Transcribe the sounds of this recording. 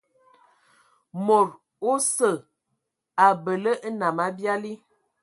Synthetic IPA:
mo˨ɾ | o˦sə˦˨ | a˨bə˨lə˦ʔna˨ma˦bja˦li˦

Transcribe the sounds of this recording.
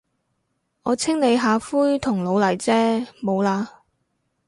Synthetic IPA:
ʔɔː˨˧t͡sʰɪ˥ŋne˨˧jɦaː˨˧fuː˥jt̪ʰʊ˨˩ŋlo˨˧wlɐ˨˩jt͡sɛː˥mo˨˧wlaː˧

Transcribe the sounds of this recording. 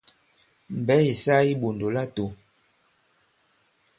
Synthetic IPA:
m̩˨bɛ˨˦i˨sa˦i˦ɓo˨ndo˨la˦to˨

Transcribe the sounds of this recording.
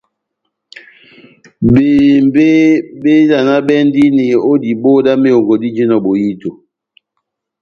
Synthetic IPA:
beː˨m˦be˦be˦la˨na˦bɛ˦n˦di˦ne˨o˦di˨bo˦da˦me˦jo˨ŋɡo˨di˦d͡ʒe˦nɔ˨bo˨ji˦to˨

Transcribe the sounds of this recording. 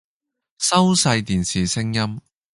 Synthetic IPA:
sɐ˥wsɐ˧jt̪iː˨˩nsiː˨˩sɪ˥ŋjɐ˥m

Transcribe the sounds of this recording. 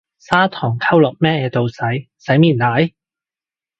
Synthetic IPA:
saː˥t̪ʰɔː˨˩ŋkʰɐ˥wlɔ˨k̚mɛː˥ɛː˧t̪o˨wsɐ˨˥j | sɐ˨˥jmiː˨nlaː˨˥j

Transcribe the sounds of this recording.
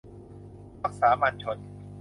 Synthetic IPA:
ɾaː˦˥˩k̚saː˩˦ma˧nt͡ɕʰo˧n

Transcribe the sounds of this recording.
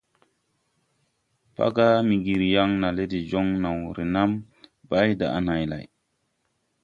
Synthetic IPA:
pa̰˦ɡa˦mi˨ɡi˨ɾja˦ŋna˨le˦di˨d͡ʒo˦ŋna˨wɾe˨na˦m | ba˦jda̰˨a˨na˨jla̰˨j

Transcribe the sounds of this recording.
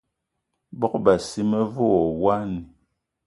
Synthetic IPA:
bɔ˦k̚ba˨si˦mə˦vɔ˦˨wa˦ni˨

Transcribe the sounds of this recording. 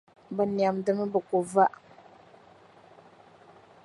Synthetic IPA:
bə˨ni˨a˨mdə˨mə˦bə˨ku˨va˦ʔ

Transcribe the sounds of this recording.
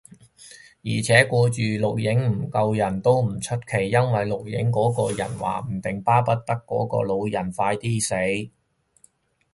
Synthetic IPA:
jiː˨˩t͡sʰɛː˨˥kɔː˧t͡ʃyː˨lʊ˨k̚jɪ˨˥ŋm̩˨˩kɐ˧wjɐ˨˩nt̪o˥wm̩˨˩t͡ʃʰɵ˥t̚kʰe˨˩jːɐ˥nwɐ˨jlʊ˨k̚jɪ˨˥ŋkɔː˨˥kɔː˧jɐ̰˨˩nwa̰ː˨˩m̩˨˩t̪ɪ˨ŋpaː˥pɐ˥t̚t̪ɐ˥kːɔ̰ː˨˥kɔ̰ː˧lo˨˧wjɐ˨˩nfaː˧jt̪iː˥se˨˥j

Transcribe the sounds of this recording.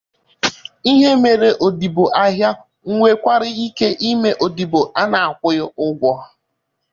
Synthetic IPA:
i˦ɦe˦me˨ɾe˨ʔo˨di˨bo˨ʔa˦ɦja˦ | ŋ̩˦ŋʷe˦kʷa˦ɾɪ˦i˦ke˦ʔi˦me˦ʔo˨di˨bo˨a˦na˨a˨kʷʊ˦jʊ˦ʊ˦ɡʷɔ˦

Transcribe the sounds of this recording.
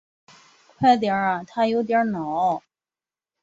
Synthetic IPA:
kʰwa˥˩t̪̬jɑ˨˥a˨˩t̪ʰa˥jo˧˥ʊt̪̬jɑ˞˨˧˥nɑ˨˦

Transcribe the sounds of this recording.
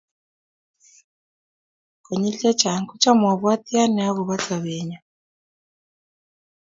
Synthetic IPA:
kɔ˨ɲi˦ɬɛ˦t͡ʃʰa˨ŋku˦t͡ʃʰʼa˦m˨a˨βa˦t̪i˦a˦nɛ˨a˦ɣu˨βa˦t͡sa˨βɛː˨ɲa˨

